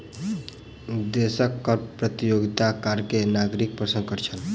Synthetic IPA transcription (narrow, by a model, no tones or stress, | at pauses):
d̪esəkːəɾpɾət̪ijoɡit̪akaɾkenaɡɾik̚pɾəsə̃ŋɡkəʈt͡ʃʰəl